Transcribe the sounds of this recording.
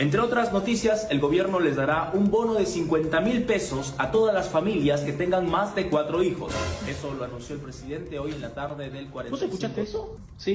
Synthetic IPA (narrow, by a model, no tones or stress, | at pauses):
e̞nt̪ɾeo̞t̪ɾazno̞t̪isjase̞lɣo̞βje̞ɾno̞le̞zðaɾaʔumbo̞no̞ðe̞siŋkwe̞nt̪amilpe̞so̞sat̪o̞ðazlasfamiljaske̞t̪e̞ŋɡaŋmazðe̞kwat̪ɾo̞ixo̞̰se̞solo̞anũnsjo̞elpɾesiðe̞nt̪eo̞je̞nlat̪aɾðe̞ðe̞lkwaɾeosekut͡ʃast̪eeso | si